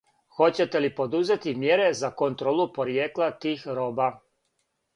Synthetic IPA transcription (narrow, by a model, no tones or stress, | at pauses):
xo̞t͡ɕet̪elipo̞d̪uze̞t̪imjeɾezakont̪ɾoːlˠupo̞ɾjeːklˠat̪iːxɾo̞ːba